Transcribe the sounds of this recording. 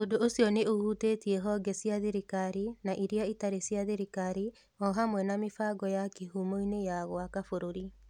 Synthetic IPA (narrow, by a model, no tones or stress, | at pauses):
odoosiɔneohuteːtiɛɦɔɡɛsjaðeɾikaɾinaʔiɾiaitaɾesjaðeɾikaɾi | ɔɦamwɛnamefaɡɔjakiɦumoinejaɣwakafoɾoɾi